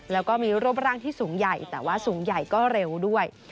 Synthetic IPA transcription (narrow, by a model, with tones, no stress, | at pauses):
lɛː˦˥wkɔː˥˩miː˧ɾu˥˩p̚ɾaː˥˩ŋt̪ʰiː˥˩suː˩˦ŋja˨˩jt̪ɛː˨˩waː˥˩suː˩˦ŋja˨˩jkɔː˥˩ɾe˧wdu˥˩əj